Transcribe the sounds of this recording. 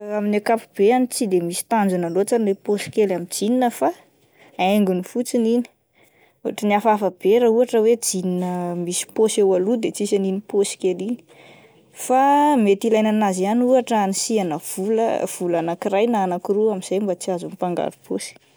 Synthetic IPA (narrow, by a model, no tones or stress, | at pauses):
aminekapub̥eanit͡sid̪emisi̥t̪and͡zunalot͡sanleposi̥kelamid͡zininəfa | eŋɡunifut͡sinini̥ | uaʈ͡ʂəniafafab̥eɾəuaʈ͡ʂəwed͡zininəmisi̥posewalud̪et͡sisaniniposi̥kelini̥ | famet̪ilajnanazianuaʈ͡ʂəanisianəv̥ulə̰v̥ulanakirajnaːnakiruamiz̥ajmbat͡siazumipaŋɡa̰ɾupʰosi̥